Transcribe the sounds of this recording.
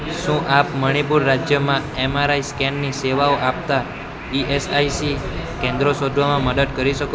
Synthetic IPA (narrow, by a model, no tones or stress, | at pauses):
ʃũʔapməɽ̃ipuɾːad͡ʒjəmãemaɾaiskɛnːiseʋaoʔap̚t̪a | iʔesaisikẽnd̪ɾosod̪ʱʋamãməd̪ət̪kəɾiʃəko